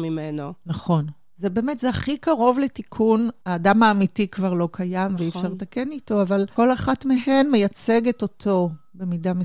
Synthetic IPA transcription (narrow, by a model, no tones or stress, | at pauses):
mimenonaχo̞n | zebeːmetzeaχikaʁo̞vletikʰunaːdamaːmitikvaʁlo̞kʰajamveifʃaʁt̪ake̞nito̞avalko̞laχatmeɦe̞nme̞jat͡se̞ɡeto̞tʰo̞be̞midame